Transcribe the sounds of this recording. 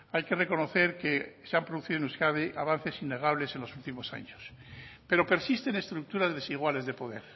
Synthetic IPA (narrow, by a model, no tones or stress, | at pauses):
ajke̞re̞ko̞no̞θe̞ɾkeseampɾoðuθiðnuskaðeʔaβ̞an̟θe̞sinːe̞ɣ̞aβle̞se̞nlo̞sult̪imo̞sa̰ɲospe̞ɾo̞pe̞ɾsist̪e̞ne̞st̪ɾuk̚t̪uɾazðe̞siɣ̞wale̞zðe̞po̞ðḛɾ